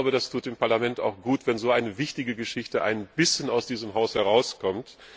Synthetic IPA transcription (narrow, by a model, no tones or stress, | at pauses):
ʊbədastʰuːtɪmpaɐlamɛnta̰ʊxɡ̥uːtv̥ɛnzoːʔaɪnəvɪçtɪɡəɡəʃɪçtəʔa̰ɪnb̥ɪsçənaʊsd̥iːzəmɦaʊshɛʁ̞aʊskʰɔmt